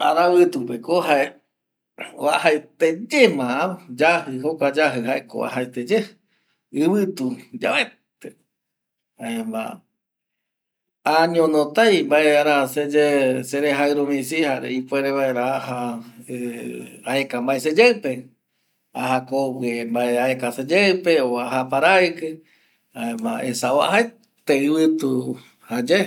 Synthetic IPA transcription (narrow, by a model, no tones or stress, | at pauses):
aɾaβɨt̪upekoɦae | βahaet̪ed͡ʒemãad͡ʒahɨɦokʷad͡ʒaɦɨɦaeko̰βa̰ɦat̪ed͡ʒe | ɨβɨt̪ud͡ʒaβe | t̪e | haemba̰ | aɲõnõt̪ajmbaeaɾased͡ʒeseɾeɦaɾumĩsihaɾḛipweɾeβaeɾaahaeaekambaesed͡ʒewpe̞ | ahakopembaeaekased͡ʒewpeoaɦapaɾaɨkɨ | aemã̰ʔesaβa̰hae | t̪eɨβɨt̪u | had͡ʒe